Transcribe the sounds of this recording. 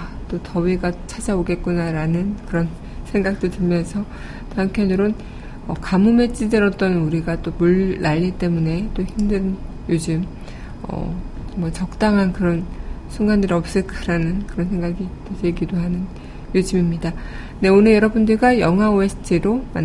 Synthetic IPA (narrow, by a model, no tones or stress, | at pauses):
t͈otʌweɡat͡ɕʰad͡ʑaoɡe̞t̚k͈unaɾanɯnkɯɾʌn | sʰe̞ŋɡak̚t͈otɯɭmjʌnsʰʌ | taŋpʰjʌnɯɾon | ʌ̰kamume̞t͡ɕ͈idɯɾʌt͈ʌnuɾiɡat͈omuɭːaʎːit͈e̞mune̞t͈oçimdɯn | jod͡ʑɯm | ʌ̰mwʌt͡ɕʌk̚t͈aŋɦankɯɾʌnsʰuŋɡandɯɾʌp̚s͈ɯɭk͈ɯɾanɯnkɯɾʌnsʰe̞ŋɡaɡitesʰeɭɡidoɦanɯn | jod͡ʑɯmimɲida | ne̞onɯɭjʌɾʌbundɯɭɡajʌŋɦwaesʰtʰiɾoma̰n